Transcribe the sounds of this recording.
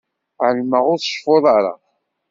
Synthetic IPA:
ʕəlməʁʊɾθʃfoðˤɑɾˤɑ̰

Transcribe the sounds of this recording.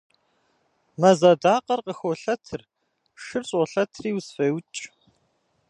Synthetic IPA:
mɐzɐdaːqɐrqəxoɬɐtʰɨr | ʂɨrɕʼɔɬɐtʰriːwsfɐwt͡ʃʼ

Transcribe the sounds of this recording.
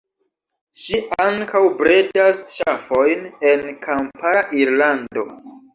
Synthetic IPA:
ʃiʔaŋkawbɾedasʃafo̞jne̞nkʰampaɾaʔiɾlando̞̰

